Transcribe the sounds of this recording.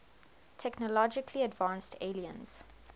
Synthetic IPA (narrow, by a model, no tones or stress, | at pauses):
tʰɛknəlɔd͡ʒɪkʰliədvãːnstʰeliə̰̃nz̥